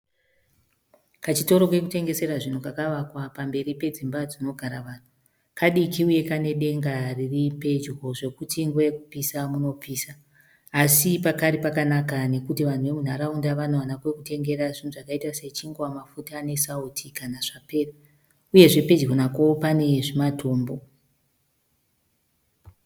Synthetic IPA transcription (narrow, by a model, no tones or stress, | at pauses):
kat͡ʃito̞ɾo̞kwe̞kute̞ŋɡe̞se̞ɾaʐin̤ukakaʋakwapambe̞ripe̞d͡zimbad͡zino̞ɡʱaɾaʋaːn̤u | kaɗikiuje̞kane̞ɗe̞ŋɡariripe̞d͡ʒɡʱo̞ʐe̞kutʰiŋɡwojekupisamuno̞piːsaː | sipakaɾipakanakane̞kutiʋan̤uʋe̞mun̤aɾaundaʋanoʋanakwe̞kute̞ŋɡe̞ɾaʐin̤uʐakaitase̞t͡ʃiŋɡwamafutaːne̞sautʰikanaʐ̥ape̞ːra | uje̞ʐepe̞d͡ʒɡonako̞pane̞ʐimatʰoːmbo̞